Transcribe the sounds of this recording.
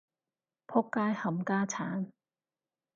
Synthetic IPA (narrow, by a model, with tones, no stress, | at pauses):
pʰʊ˥kːaː˥jhɐ˨˥mkaː˥t͡sʰaː˨˥n